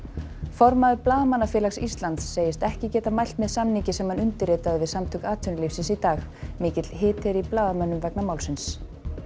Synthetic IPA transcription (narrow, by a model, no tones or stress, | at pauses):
fɔɾmaðʏplaːðmanːafjɛːlaksist̪lant̪sːeːjɪst̪ɛhcɪcɛːt̪amajl̥t̪mɛðsamnicɪsɛmhanʏnt̪ɪɾeːt̪aðɪvɪðsamt̪ʰʏkaːt̪ʰʏnɪlifsɪnsit̪aːx | mɪːcɪt̪l̥ɦɪːt̪ʰɪɾiplaːðmɛnːʏmvɛknamaːwlsɪns